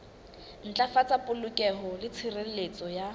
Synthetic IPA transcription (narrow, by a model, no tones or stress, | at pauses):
n̩t͡ɬʼafat͡sapʼʊlʊkʼɛɦɔlɪt͡sʰirelet͡sʼɔja